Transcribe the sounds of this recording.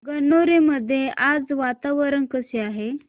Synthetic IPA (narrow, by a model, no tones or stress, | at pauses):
ɡənoɾeməd̪ʱːjeʔad͡zʋat̪aʋəɾənkəseaɦe